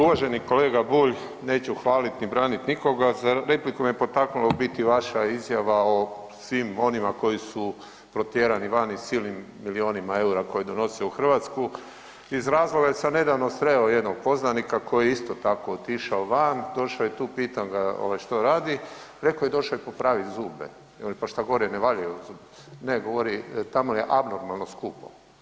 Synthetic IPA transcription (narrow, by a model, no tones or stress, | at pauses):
uʋaʒe̞niko̞le̞ːɡabuːʎ | ne̞ːt͡ɕuxʋaːlit̪nibɾaːnit̪niko̞ɡazaɾe̞plikomjepo̞t̪aknulobit̪iʋaʃaizjaʋao | sʋimo̞nimako̞jisu | pɾo̞t̪jeɾaniʋanisiːlnimːilio̞nimae̞uɾako̞jed̪ono̞siouxr̩ʋat̪sku | izɾaːzlˠo̞ɡajesane̞d̪aʋnost̪ɾeoje̞d̪noɡ̚po̞znanikako̞jieist̪ot̪ako̞ːt̪iʃaoʋand̪o̞ʃaojet̪uːpiːt̪anɡao̰ʋajʃt̪oɾaːd̪iɾe̞kojed̪o̞ʃajepo̞pɾaːʋit̪zuːbḛ | onipaʃt̪aɡoɾeneʋaʎajuzuːb | neɡo̞ʋoɾit̪amojeʔabnoɾmalˠno̞skuːpo̰